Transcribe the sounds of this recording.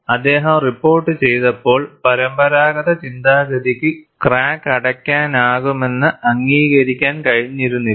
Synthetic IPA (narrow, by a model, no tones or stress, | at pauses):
ɐd̪ːe̞ːɦɐmripːo̞ːrʈːɨt͡ɕe̞jt̪ɐpːo̞ːɭpɐɾɐmbɐɾaːɣɐðɐt͡ɕind̪aːɡɐðikʲːɨkraːkːɐɽɐkʲːaːnaːɣume̞nːɨʔɐŋːiːɣɐɾikʲːaːnkɐɻiɲːiɾunːi